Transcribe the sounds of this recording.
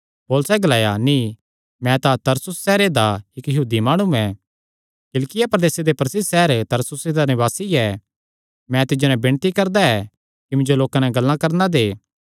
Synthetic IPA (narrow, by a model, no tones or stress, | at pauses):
poːlʊsɛɡɐlaːjanĩ | mɛ̃t̪at̪ɐɾsʊsːɛːɾed̪aɪkjɐɦuːd̪imaːɽ̃uɛ̃ | kɪlkɪjapɾɐd̪eːsed̪epɾɐsɪdsɛːɾt̪ɐɾsʊsed̪anɪβaːsiɛ | mɛ̃t̪ɪd͡ʒonɛbɪɽ̃t̪ikɐɾd̪aɛ | kimɪ̃nd͡ʒoloːkãnɛɡɐlːãkɐɾnad̪eː